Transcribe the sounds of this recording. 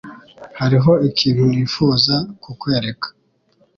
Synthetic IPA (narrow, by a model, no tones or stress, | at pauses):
haɾiɦo̞ikiːnhuniːfuːzakukwe̞ːɾe̞kʰḁ